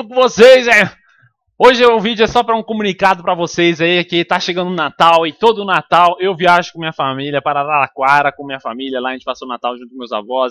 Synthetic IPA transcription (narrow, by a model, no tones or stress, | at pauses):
ʊkõvosejzɛ | oʒɪewʊvid͡ʒʊɛsɔpɾɐũkomũnikad̪ʊpɾɐvosejzaikɪt̪aʃeɡɐ̃nd̪ʊnat̪awɪt̪od̪ʊːnat̪awewviaʒʊkõmĩɲɐfamiliɐpaɾalalakwaɾɐkõmĩɲɐfamiljɐlaɐʒẽt͡ʃɪ̥pasonat̪awʒũt̪ʊkõmewza̰vɔzɪs